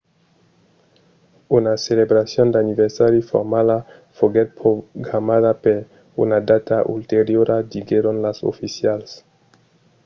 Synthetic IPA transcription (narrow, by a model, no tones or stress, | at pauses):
unaselebɾasjond̪aniβeɾsaɾjufo̰ɾmala | foɡet̪̚pɾoɡɾamaðapeɾ | ṵnad̪at̪aʔṵlt̪eɾjoɾʔad̪iɡeɾonlaso̰fisjals